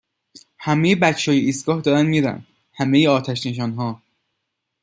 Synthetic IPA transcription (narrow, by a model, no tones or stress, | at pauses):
hæmejebæt͡ʃʰːɒːjeʔiːst̪̚ɡ̥ɒːhd̪ɒːɾænmiːɾæ̰n | hæmejeɒːt̪ʰæʃne̞ʃ̬ɒːnɦɒː